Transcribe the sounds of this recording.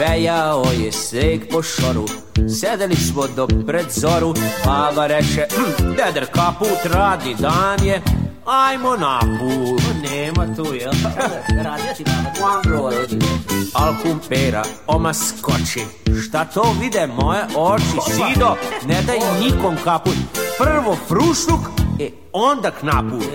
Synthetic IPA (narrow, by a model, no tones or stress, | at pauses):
bejaojɛsʋeːkpoʃoɾu | sed̪elismod̪opɾed̪zoɾupaːʋaɾɛt͡ʃɛd̪ed̪ɾkapuːt̪ɾaːd̪nid̪aːnje | ajmonapuːlneːmat̪ujel | ad̪a | alkumpeːɾa̰ | omaskot͡ʃe | ʃt̪at̪oːʋid̪emojeʔot͡ʃisd̪oned̪ajinikomkaput̪prrʋopɾuʃnukɛ | ond̪aknapuː